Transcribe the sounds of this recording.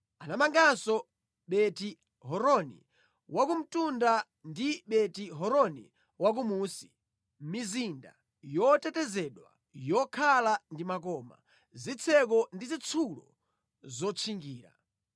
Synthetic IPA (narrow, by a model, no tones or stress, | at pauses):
anamaŋɡasɔ | ɓɛti | ɦɔɾɔnḭ | wakum̩tunda | ndiɓɛtiɦɔɾɔnḭ | wak̬umuːsi | mizinda̰ | jɔtɛtɛzɛɗwa̰ | jɔkʰalandimakɔːma̰ | zit͡sʰɛk̬ɔndizit͡sʰulɔ̰ | zɔt͡ʃʰiŋɡiːɾa̰